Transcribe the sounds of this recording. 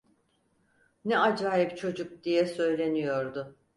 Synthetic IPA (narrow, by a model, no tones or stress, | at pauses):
nɛad͡ʒaːjipt͡ʃʰo̞d͡ʒuk̚d̪ijɛsø̞jlʲe̞nijo̞ɾd̪ʊ